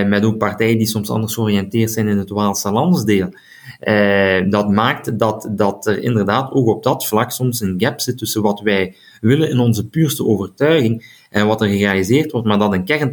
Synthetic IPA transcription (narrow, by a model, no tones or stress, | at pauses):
mɛtoːk̚pɑrtɛjədisɔmsɑ̰ndərsxoriɛntɪːrtsɛjnɪnɦətʋaːlˠsəlɑndzdeːlˠ | ʔədɑtmaːktdɑtdɑtərɪ̰ndərdaːtʰoːkɔb̚dɑtflɑksɔmsənɡɛpsɪtːɵsəʋɑtʋɛj | ʋɪlənɪnɔnzəpyːrstəoːvərtœɥɣɪŋ | ʔɛnʋɑtərɣərealizeːrtʋɔrtmaːrdɑtənkɛrn